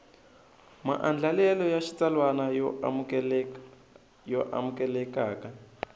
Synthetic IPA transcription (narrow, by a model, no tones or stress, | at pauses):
ma̰ʔand͡ɮalɛlɔjaʃit͡salwanajɔ | jɔʔa̰mukɛlɛkaːka